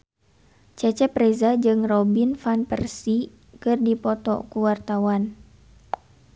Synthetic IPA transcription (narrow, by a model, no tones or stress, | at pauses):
t͡ʃɛt͡ʃɛpɾɛzad͡ʒɨŋrɔbinfanpɛrsi | kɨrdipɔt̪ɔ̰kuwart̪awan